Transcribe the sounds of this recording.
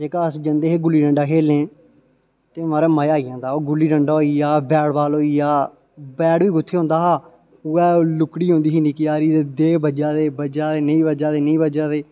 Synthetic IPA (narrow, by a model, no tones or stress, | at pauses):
d͡ʒeːkaːəsd͡ʒənd̪eːɦeːɡʊlːiːɖəɳɖaːɦeːlẽː | t̪eːmaːɾeːməjaːiːjãːd̪aːoːɡʊlːiːɖəɳɖaːoːiːaːbɛːɽbaːloːiːjaː | bɛːɽʋiːɡʊt̪ʰːeːɦõːnd̪aːɦaː | uɛːlʊkɽiːɦõːnd̪iːɦiːnĩːkɪjaːɾiːd̪eːd̪eːbəd͡ʒaːd̪eːbəd͡ʒaːd̪eːnəĩːbəd͡ʒaːd̪eːnəĩːbəd͡ʒaːd̪eː